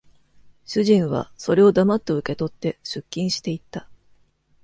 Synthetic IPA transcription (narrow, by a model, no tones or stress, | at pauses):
ɕɨʑĩɰ̃βa̰so̞ɾe̞o̞d̪amat̪ːo̞ɯ̟ke̞t̪o̞t̪ːe̞ɕɨkʲːĩɰ̃ɕi̥t̪e̞it̪ːa